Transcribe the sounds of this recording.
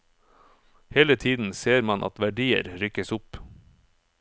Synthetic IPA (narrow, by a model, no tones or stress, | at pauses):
heːlət̪ʰiːd̪n̩seːɾmɑnʔɑ̰t̪ʋæɖiːə̰ɾɾʏkəsʊp